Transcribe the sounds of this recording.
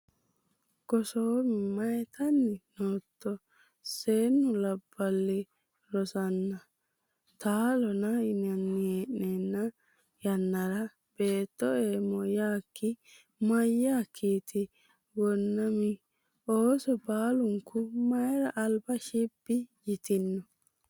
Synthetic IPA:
ɡ̥ɔsoːmɪmɐjt̪ɐnːɪnoːt̪ːɔ | seːnːʊlɐbːɐlːɪ | ɾɔsɐnːɐ | t̪ʰaːlɔnɐɪnɐnːɪeːʔnenːɐ | jɐnːɐɾɐ | b̥e̞ːt̪ːɔeːmɔjaːkʰːɪ | mɐjːaːkʰːiːt̪ɪ | ɡɔnːɐmɪ | oːsɔbaːlʊŋkʊmɐjɾɐʔːlbɐʃibːɪjɪt̪ɪnːɔ

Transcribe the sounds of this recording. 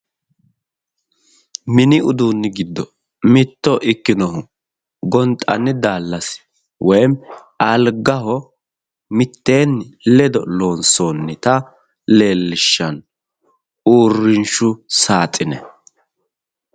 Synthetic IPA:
mɪnɪʊd̪uːnːɪɡɪd̪ːɔ | mɪt̪ːɔʔɪkːɪnɔɦʊ | ɡɔnt̪ʼːɐ̰nːɪd̪aːlːɐs | wʔɔjm | ɐlɡɐɦɔ | mɪt̪ːe̞ːnːlɛd̪ɔ̰lo̞ːnsoːnːɪt̪ɐ | le̞ːlːɪʃːɐn | uːrːɪnʃʊsaːt̪ʼːɪnɛ̰

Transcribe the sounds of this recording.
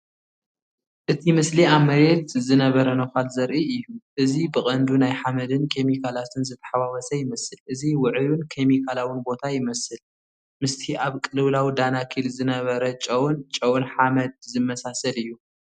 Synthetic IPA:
ʔɨt̪ʰimɨsliamːɐɾet̪zɨnɐβɐɾɐnɐxalzɐɾʔiɨjːuʔɨzibɨχʼɐnd̪unajħamɐd̪ɨnkʰe̞mikʰalat̪ʰɨnzɨt̪ʰːɐ̥ħawawɐsɐjɪmɐsɨlʔɨziwʊʕɨjunkʰe̞mikʰalawɨnbo̞t̪ʰajɪmɐsɨl | mɨst̪ʰiʔaβkʼɨlɨwlawid̪anakʰilzɨnɐβɐɾɐt͡ʃʼɐwunt͡ʃʼɐwunħamɐd̪̚zɨmːɐsasɐlɨjːu

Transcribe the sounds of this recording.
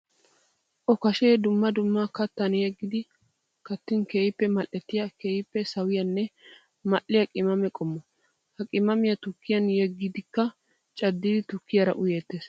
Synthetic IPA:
ʔɔkɐʃeːd̪ʊmːɐd̪ʊmːɐkɐt̪ːɐnjɛɡːɪd̪ɪ | kɐt̪ːɪnkeːjɪpːɛmɐlʔɛt̪ːɪjɐkeːjɪpːɛsɐwɪjɐnːɛ | mɐʔːɪjɐkʼɪmɐmɛkʼɔmːɔ | hɐkʼɪmɐmɪjɐt̪ʊkːɪjɐnjɛɡːɪd̪ɪkːɐ | t͡ʃʼɐd̪ːɪd̪ɪt̪ʊkːɪjɐɾɐ̰ʔʊjeːt̪ːeːs

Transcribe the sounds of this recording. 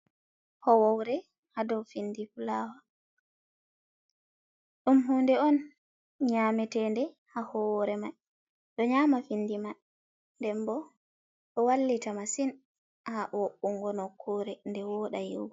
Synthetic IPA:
hɔwawɾɛ | hadɔwfindifulaːwa | ɗumɦundɛɔn | ɲamɛtɛndɛ | hahɔɾɛmaj | ɗɔɲamafinːdima | ndɛmbɔ | ɗɔwalːitamasin | haʔɔʔuŋɡɔnɔkʰːɔːɾɛndɛwɔɗajiw

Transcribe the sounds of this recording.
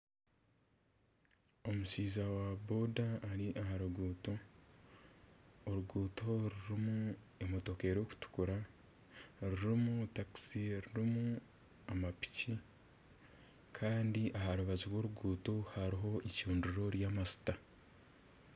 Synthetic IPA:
o̞musiːzawabodaːɾiʔaɦaɾuɡuːto | ɾuɡuːto̞ɾuɾimu | emotoke̞ɾo̞ːku̥tu̥kuɾa | ɾiɾimutaksiɾuɾimu | amapi̥ci | kʰaːndiʔaɦaɾuβaziɾwo̞ɾuɡuːtohaɾiɦo̞icuːnduɾo̞ɾjaːmasi̥ta

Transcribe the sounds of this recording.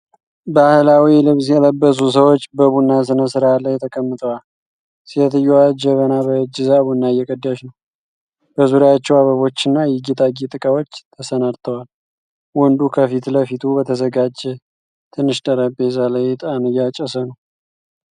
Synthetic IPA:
bahlawilɨβsjɛləbːəs̬us̬əwo̞t͡ʃːbəβunːas̬ɨnəsɨɾalːajt̪ʰəkʼəmːɨt̪ʰʼəwal | sihət̪ɨjːuad͡ʒəβənaβəɨd͡ʒɨzaβunːajɛkʼəd̪ːaʃnəw | b̥əzuɾaat͡ʃːɛwaβəβo̞t͡ʃːɨnːajɛɡit̪ʼaɡit̪ʼɨkʼawo̞t͡ʃːt̪ʰəsənaɾt̪ʰəwal | wɔnd̪ukʰəfit̪ləfit̪ʰubət̪ʰəzəɡad͡ʒɛ | t̪ʰɨnːɨʃt̪ʼəɾəpʼːezalajt̪ʼanɨjat͡ʃʼɛsənəw

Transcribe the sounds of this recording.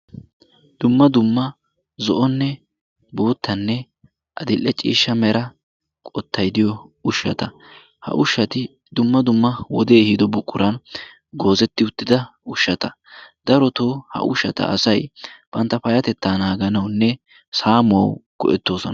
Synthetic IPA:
d̪̥ʊmːɐd̪ʊmːɐ | zɔʔɔnːɛ | boːt̪ːɐnːɛ | ʔɐd̪ɪlʔːɛt͡ʃʼḭːʃːɐmɛɾɐ | kʼɔt̪ʰːɐjd̪ɪjɔʊʃːɐt̪ɐ | hɐ̰ʔʊʃːɐt̪ɪ | d̪ʊmːɐd̪ʊmːɐwɔd̪eːhid̪ɔbʊkʼːʊɾɐn | ɡo̞ːzɛt̪ːɪʊt̪ːɪd̪ɐʊʃːɐt̪ɐ | d̪̥ɐɾɔt̪oːhɐ̰ʔʊʃːɐt̪ɐ̰ɐ̰sɐjb̥ɐnt̪ːɐpɐjɐt̪ɛt̪ːaːnaːɡɐnɐwnːɛ | saːmʊɐ̰wɡ̥ɔ̰ʔɛt̪ːo̞ːsɔn

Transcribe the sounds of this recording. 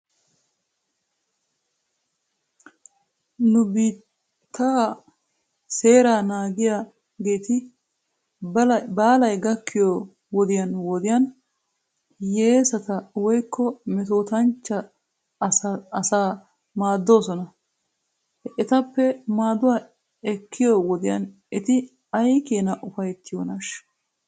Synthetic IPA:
nʊbiːt̪ʰː | aː | seːɾaːnaːɡɪja | ɡeːt̪ɪ | baːlɐjɡɐkːɪjo | wɔd̪ɪjɐnwɔd̪ɪjɐn | jeːsɐt̪ɐwɔjkʰːɔmɛt̪oːt̪ɐnt͡ʃːɐː | sɐɐsaː | maːd̪ːo̞ːsɔnɐ | ɛt̪ɐpːɛmaːd̪ʊwaː | ɛkʰːɪjowɔd̪ɪjɐ̰n | ɛt̪ɪ | ɐjkeːnɐʔʊfɐjt̪ʰːɪjoːnɐʃ

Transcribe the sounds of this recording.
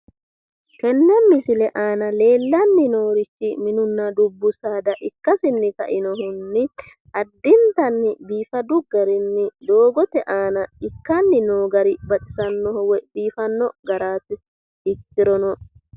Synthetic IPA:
kɛnːɛmɪsɪlɛʔaːnɐle̞ːlːɐnːɪno̞ːɾɪt͡ʃːɪmɪnʊnːɐd̪ʊbːʊsaːd̪ɐʔɪkːɐsɪnːɪkɐ̰ʔɪnɔhʊnːɪ | ɐd̪ːɪnt̪ɐnːɪbiːfɐd̪ʊɡɐɾɪnːɪd̪o̞ːɡɔt̪ɛʔaːnɐɪkːɐnːɪnoːɡɐɾɪbɐt̪ʼɪ̥sɐnːɔhɔwɛbiːfɐnːɔɡɐɾaːt̪ɪ | ɪkːɪɾɔnɔ

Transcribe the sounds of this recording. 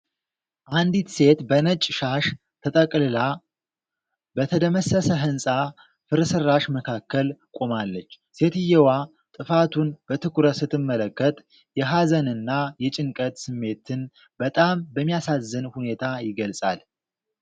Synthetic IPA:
ʔand̪it̪se̞t̪bənət͡ʃʼʃaʃ | t̪ʰət̪ʼəkʼlɨla | bət̪ʰəd̪əməsːəsəɦɨnsʼa | fɨɾsɨrːaʃməkʰakːəlkʼomalːət͡ʃː | se̞t̪ɨjːɛwa | t̪ʼɨfat̪ʰunb̥ət̪ʰɨkʰuɾət̪sɨt̪ːɨmːələkːət̪ʼ | jɛɦazənɨnːajɛt͡ʃʼɪŋkʼət̪sɨmːe̞t̪ʰɨn | bət̪ʼambəmːijasazːɨnhune̞t̪ʰajɪɡəlsʼa̰l

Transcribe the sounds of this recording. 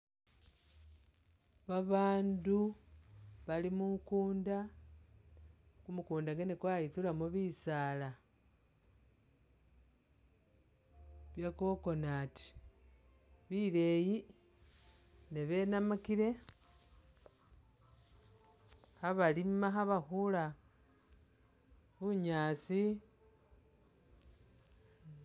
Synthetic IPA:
βaβaːndu | βalimukuːnda | kumukuːndaŋɡenekwajit͡sulamoβisaːla | βjako̞ko̞naːti̥ | βile̞ji | neβe̞namakiɾe̞ | xaβalimaxaβaxula | βuɲaːsi

